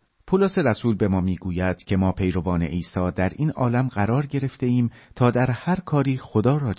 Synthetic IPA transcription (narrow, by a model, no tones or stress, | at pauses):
pʰuloseɾæsuːlbe̞mɒːmiːɡuːjæd̪̥cʰe̞mɒːpʰe̞jɾo̞vɒːne̞̰ʔiːsɒːd̪æɾʔiːnɒ̰ːlæmɢæɾɒːɾɟe̞ɾe̞ft̪e̞iːmt̪ʰɒːd̪æɾhæɾkʰɒːɾiːxo̞d̪ɒːɾɒːd͡ʒ